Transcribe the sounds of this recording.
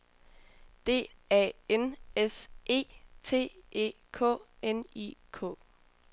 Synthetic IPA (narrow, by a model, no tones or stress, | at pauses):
d̥e̝̰ːɛ̰ːenesʔe̝̰ːt͡sʰe̝̰ːʔe̝̰ː | kʰɔ̰ːenḭkʰɔ̰̽ː